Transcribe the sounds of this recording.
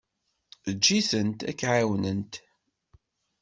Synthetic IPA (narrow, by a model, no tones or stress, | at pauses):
əd͡ʒːiθənt̪æ̰kːʕawnənt̪